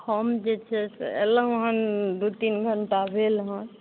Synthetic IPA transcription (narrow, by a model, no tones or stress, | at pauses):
kʰɔmd͡ʒet͡ʃʰɛsḛlə̃ɦɔnd̪ut̪inɡʱəɳʈabʱelɦɔ̃n